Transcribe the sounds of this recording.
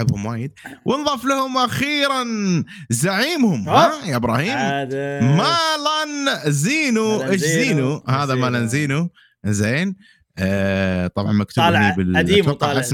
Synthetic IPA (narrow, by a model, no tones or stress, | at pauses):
abhʊmwaːjɪd̪̚wʔɪnðˤɑflahʊmʔaxiːɾan | zaʕiːmhʊmhajaʔɪbɾˤɑːhiːmmalanziːnuʔɪʃziːnuhaːðamalanziːnu | zeːn | t̪ˤɑbʕɑnmakt̪ʰʊbnibɪlːfɪqʔas